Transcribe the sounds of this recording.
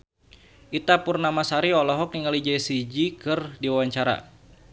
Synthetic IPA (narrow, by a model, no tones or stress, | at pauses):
ʔit̪apʊrnamasaɾiɔlɔɦɔk̚niŋalid͡ʒɛsid͡ʒikɨrdiwawaɲt͡ʃaɾa̰